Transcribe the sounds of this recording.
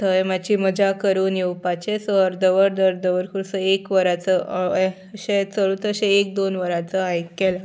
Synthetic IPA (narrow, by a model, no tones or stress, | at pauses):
t̪ʰəjmad͡ʑiməd͡ʑakəɾuːnjewpat͡ɕesəəɾd̪əʋəɾd̪əɾd̪əʋəɾkʰuɭsəekʋəɾat͡sə | ɕet͡səɭut̪əɕeek̚d̪onʋəɾat͡səajkɛla